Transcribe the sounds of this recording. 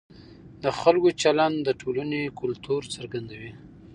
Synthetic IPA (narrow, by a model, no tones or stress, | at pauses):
d̪əxalkot͡ʃaland̪d̪əʈʰolanekʊlt̪uɾt͡səɾɡand̪awi